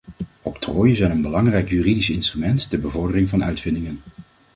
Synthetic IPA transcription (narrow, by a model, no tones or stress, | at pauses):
ɔptroːjəzɛjnənbəlɑŋrɛjkjyridisɪnstrymɛntdəbəvɔɹdərɪŋvɑnœ̰ɥtfɪndɪŋən